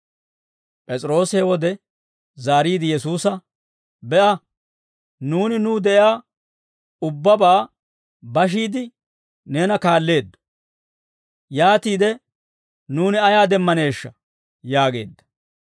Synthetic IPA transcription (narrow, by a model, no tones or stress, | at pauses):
pʼɛt͡sʼɾo̞ːsɪhɛwɔd̪ɛ | zaːɾiːd̪ɪjɛsuːsɐ | bɛʔɐ | nuːnɪnuːd̪ɛʔjaː | ʊbːɐbaː | bɐʃ̬iːd̪ɪ | ne̞ːnɐkaːlːe̞ːd̪ːʊ̥ | jaːt̪iːd̪ɛ | nuːnɪɐjaːd̪ɛmːɐne̞ːʃːɐ | jaːɡe̞ːd̪ːɐ̥